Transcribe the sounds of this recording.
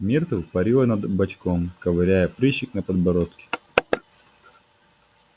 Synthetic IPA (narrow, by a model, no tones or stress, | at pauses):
mʲert̪ɨpɐɾʲilˠənɐd̪bɐt͡ɕkomkɐvɐɾʲæjəpɾʲiɕːɪknɐpɐd̪̚bɐɾot̪kʲɪ̥